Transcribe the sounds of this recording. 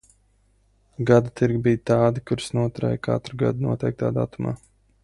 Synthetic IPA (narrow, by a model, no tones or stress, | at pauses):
ɡad̪ut̪iɾɡʲibijt̪aːd̪ikuɾsnuɔt̪ɾɛ̰jkʰa̰t̪ɾɡa̰d̪nuɔt̪ʲɛjk̚t̪a̰ːd̪a̰t̪uma̰ː